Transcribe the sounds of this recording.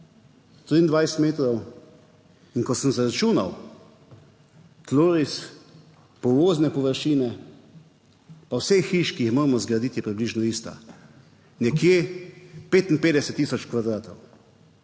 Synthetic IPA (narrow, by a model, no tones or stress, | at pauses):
t̪ɾiːnd̪ʋajsɛt̪meːt̪ɾɔw | iŋkɔsəmzaɾat͡ʃuːnaw | t̪loːɾis | pɔʋoːznɛpɔʋəɾʃiːnɛ | pawsɛxiʃkiixmoːɾmɔzɡɾad̪iːt̪jɛpɾibliːʒnɔist̪a̰ | nɛkje | peːt̪inpeːd̪ɛsɛt̪ːiːsɔt͡ʃkʋad̪ɾaːt̪ɔw